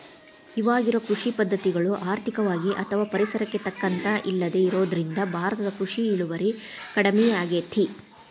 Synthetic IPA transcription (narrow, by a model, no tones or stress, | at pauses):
iʋaːɡiɾokɾuʂipɐd̪ʱːɐt̪iɡɐɭuʔaːɾt̪ʰikɐʋaːɡiʔɐt̪ʰɐʋaːpɐɾisɐɾɐkːe̞t̪ɐkːɐnt̪ɐʔilːɐd̪e̞iɾo̞ːd̪ɐɾind̪ɐbʱaːɾɐt̪ɐd̪ɐkɾuʂiːɭuʋɐɾikɐɽɐmiaːɡeːt̪ʰi